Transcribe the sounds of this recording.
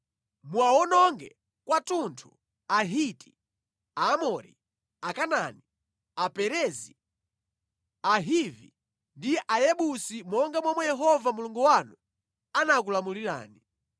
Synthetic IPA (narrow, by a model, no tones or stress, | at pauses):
mwawɔnɔŋɡɛ | kwatuntʰu | aɦiti̥ | aːmɔɾḭ | akanani | apɛɾɛzi | aɦivḭ | ndiʔajɛɓusimɔŋɡamwamwɛjɛɦɔvamuluŋɡuwanu | anak̬ulamuliɾa̰ːni